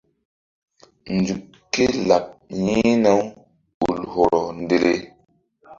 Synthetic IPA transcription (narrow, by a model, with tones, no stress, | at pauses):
nd͡zu˨k | kːe˦la˨p̚ɲi˦na˦w | ɓu˨lho˨ɾɔ˨nde˦le˦